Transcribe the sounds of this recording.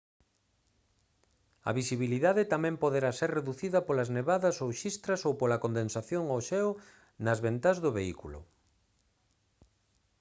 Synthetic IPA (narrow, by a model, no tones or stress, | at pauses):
ɐ̰βisiβ̞iliðaðɪt̪amɛ̃mpoðeɾaseɾreðuθiðɐpolɐzneβaðɐsowʃist̪ɾɐsowpolɐkond̪ensaθjoŋoʃɛw | nɐzβent̪azðʊβeikulʊ̰